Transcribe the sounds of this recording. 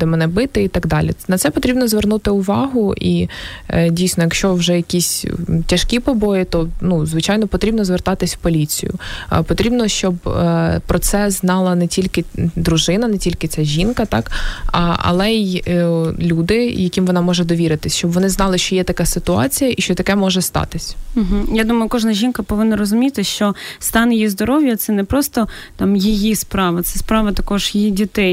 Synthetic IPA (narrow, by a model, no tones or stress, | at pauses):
d̪ɛmɛnɛbɪt̪ɪit̪ɐɡd̪ɑlʲḭnɐt̪sɛpɔt̪ɾʲibnɔzʋernut̪ɪʊʋɑɦʊʔi | dʲijsnɔjɐkʃt͡ʃɔʋʒɛjɐkʲisʲtʲɐʃkʲipɔbɔjɪt̪ɔnuzʋɪt͡ʃɑjnɔpɔt̪ɾʲibnɔzʋert̪ɑt̪ɪsʲwpɔlʲit͡sʲḭjʊ̰pɔt̪ɾʲibnɔʃt͡ʃɔbpɾɔt̪sɛznɑlˠɐnɛtʲilʲkɪd̪ɾʊʒɪnɐnetʲilʲkɪt͡sʲaʒʲinkɐt̪ɑkʔɐ̰lˠɛ | lʲud̪ɪjɐkʲimʋɔnɑmɔʒɛd̪ɔʋʲiɾɪt̪ɪsʲʃt͡ʃɔbʋɔnɪznɑlˠɪʃt͡ʃɔjɛt̪ɐkɑsɪt̪ʊɑ̰t͡sʲijɐʔiʃt͡ʃɔt̪ɐkɛmɔʒɛst̪ɑ̰t̪ɪsʲm̩ɦm̩jad̪umɐjʊkɔʒnɐʒʲinkɐpɔʋɪnnːɐrɔzʊmʲit̪ɪʃt͡ʃɔst̪ɑnjijizd̪ɔɾɔʋʲjɐt̪sɛnɛpɾɔst̪ɔt̪ɑmjijispɾɑʋɐt̪sɛspɾɑʋɐt̪ɐkɔʒjɪjidʲit̪ɛj